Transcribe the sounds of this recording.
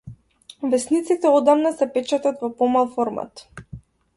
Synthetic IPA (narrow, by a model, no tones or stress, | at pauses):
vɛsnit̪sit̪ɛɔd̪amnasɛpɛt͡ʃat̪at̪vɔpɔmalˠfɔɾma̰t̪